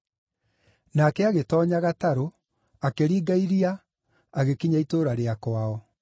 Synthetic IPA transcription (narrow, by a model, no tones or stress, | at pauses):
nakɛaɣetɔɲaɣataɾo | akeɾiːɡaiɾia | aɣekiɲaitoɾaɾeakwaɔ